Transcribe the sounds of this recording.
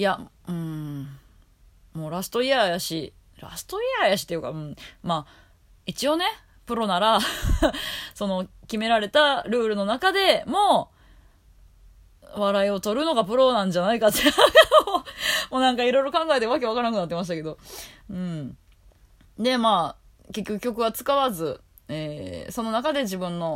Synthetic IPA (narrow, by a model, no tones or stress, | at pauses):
ja | ɯ̟̃ | moːɾasɨ̥t̪o̞iajaɕi | ɾa̰sɨ̥t̪o̞iajaɕi̥t̪ejɯ̟kaɯ̟̃ɴmaː | it͡ɕio̞ne̞ | pɯ̟ɾo̞naɾa | so̞no̞kʲime̞ɾaɾe̞t̪aɾɯ̟ːɾɯ̟no̞nakad̪e̞mo̞ː | βaɾaio̞t̪o̞ɾɯ̟no̞ɡapɯ̟ɾo̞nãɲ̟d͡ʑanaikat͡ɕiɾaɡa | mo̞ːnãŋkaiɾo̞iɾo̞kãŋɡaet̪eɯβak̬e̞akaɾanakɯ̟nat̪ːemaɕ̬i̥t̪ake̞d̪o̞ɯ̟̃ɴ | d̪e̞maː | ke̞kʲːo̞kɯ̟kʲːo̞k̬ɯ̟β̞at͡sɨ̥kaβazɨ | eːso̞no̞nakad̪e̞ʑibɯ̟̃nːo̞